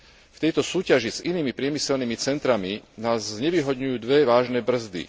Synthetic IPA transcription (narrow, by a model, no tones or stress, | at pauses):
ft̪ɛjt̪ɔsuːcaʒiziniːmipɾɪɛmisɛlniːmit͡sɛnt̪ɾaminaːzzɲɛʋiːɦɔd̪ɲujuːd̪ʋɛʋaːʒnɛːbr̩zd̪ḭ